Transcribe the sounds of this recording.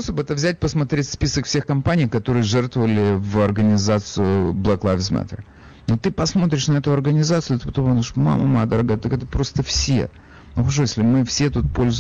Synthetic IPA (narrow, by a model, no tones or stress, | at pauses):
osobɛt̪əvzʲæt̚ʲpəsmɐt̪ɾʲetʲspʲisəkfsʲe̞xkɐmpanʲijkɐt̪o̞ɾɨjəʐɛrt̪vəvəlʲɪvɐrɡənʲɪzat̪sɨʊblˠɐklˠafʲsmɛ̰t̪ʲə̰r | not̪ɨpɐsmo̞t̪̬ɾʲɪʂnɐɛt̪ʊɐrɡənʲɪzat̪sɨʊt̪ɨpɐt̪op̪ʲʂma̰mɐ̰md̪əɾɐɡajət̪ɐkɛt̪əpɾo̞st̪əfsʲḛ | nʊxɐʂ̬ojesʲlʲɪmɨfsʲe̞t̪ut̪̚polʲz